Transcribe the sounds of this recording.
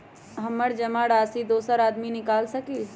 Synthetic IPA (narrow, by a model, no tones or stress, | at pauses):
ɦɐmːəɾd͡ʒɐmaɽaːsid̪oːsəɾaːd̪minɪkaːlsɐki